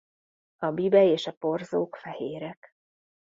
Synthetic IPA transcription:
ɒbibɛeːʃɒporzoːkfɛheːɾɛk

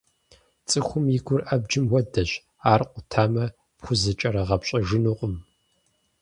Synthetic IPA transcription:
t͡sʼɨxʷʊmjɪɡʷʊrʔɐb̚d͡ʒɪmwɐdɐɕ | aːrqʷʼʊtʰaːmɐ | pχʷʊzɐt͡ʃʼɐɾɐʁɐpɕʼɐʒɨnuːqʷʼʊm

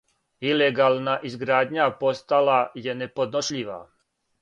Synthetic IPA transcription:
ileɡalˠnaʔizɡɾaːd̪ɲapo̞st̪alaje̞ne̞po̞d̪noʃʎiʋa̰

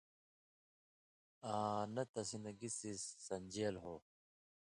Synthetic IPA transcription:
ãːnɐt̪ɐsinɐɡisisːɐnd͡ʑeːlɦoː

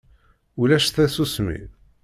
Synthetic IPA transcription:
ulæʃθæsusmḭ

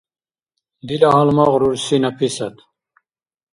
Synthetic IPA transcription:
d̪ilɑɦalmɑʁɾuɾsinɐpʰisɐt̪

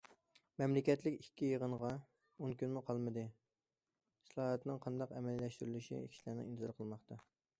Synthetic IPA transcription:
mɛmlɪkʲɛt̪lɪkʲikʲʰːijeʁənəʁɑ | onkʲynmuqʰɑlˠmɨd̪ɨ | slˠɑːɦɛt̪nɨŋqʰɑnd̪ɑqɛmɛlːɛʃt̪yɾylɪʃḭkʲi̥ʃlæɾnɪ̰ŋint̪ɨzɑɾqʰəlˠmɑχt̪ɑ

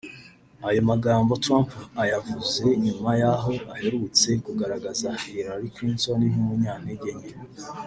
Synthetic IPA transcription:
ajo̞maɡaːmbo̞tɾampajavuze̞ɲumajaɦo̞ʔahe̞ɾut͡se̞kuɡaɾaɡazahiɾaɾikɾiːntoniɦumuɲaːneɟe̞ɲe

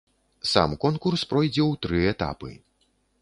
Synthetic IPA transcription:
sa̰mkɔnkurspɾɔjd͡zʲɛwt̪ɾɨɛt̪a̰pɨ̰

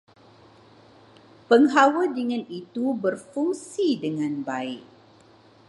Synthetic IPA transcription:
pəŋɦawədiŋãnit̪ubərfuŋsidəŋãnbaɪʔ̚

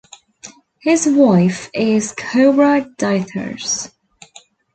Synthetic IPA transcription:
hɪzwaɪfɪz̥kʰoʊɹadaɪtʰə̰˞z̥

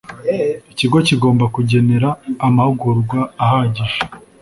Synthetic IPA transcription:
iciɡo̞ciɡo̞ːmbakuɟe̞ne̞ɾaːmahuɡuɾɡwaːhaɟiʒe

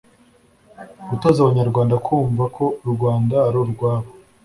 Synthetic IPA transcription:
ɡutoːzaβaɲaɾɡwaːndakʰuːɱvakʰo̞ɾɡwaːndaːɾouɡwaːβo

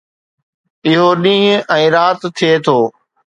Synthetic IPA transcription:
ɪɦoɗĩːɦʊ̃ɛ̃ːɾaːt̪t̪ʰːiet̪ʰoː

